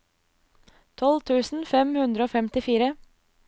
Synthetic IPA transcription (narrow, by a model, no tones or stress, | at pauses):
t̪ʰɔlt̪ʰʉːsn̩fɛmhʉnd̪ɾəoːfɛmt̪ɪfiːɾə